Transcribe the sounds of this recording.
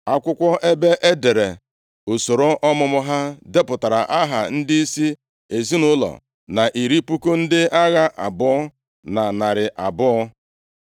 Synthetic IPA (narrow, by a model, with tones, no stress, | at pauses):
a˦kʷʊ˦kʷɔ˦ʔe˦be˦ʔe˦de˨ɾe˨ | o˨so˨ɾo˦ʔɔ˦mʊ˦mʊ˦ɦa˦de˦pʊ˨ta˨ɾa̰˨ʔa˦ɦa̰˨n̩˦dɪ˦i˦si˦ | e˨zi˦nʊ˦lɔ̰˨ | na˨ʔi˨ɾi˦pu˦ko˦n̩˦dɪ˦ʔa˦ɣa˦ʔa̰˨bʊ˦ɔ˦ | na˨na˨ɾɪ˨ʔa˨bʊ˦ɔ˦